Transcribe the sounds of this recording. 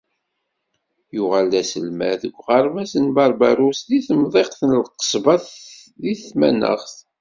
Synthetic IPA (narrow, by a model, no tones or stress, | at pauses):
jʊʁalːæsəlmæ̰ðəɡʷːʁɑɾˤvæsənbɑɾˤbæɾusðiθəmðˤeqθənlqə̥sˤvɑθðiθmæ̰nə̰ʁθ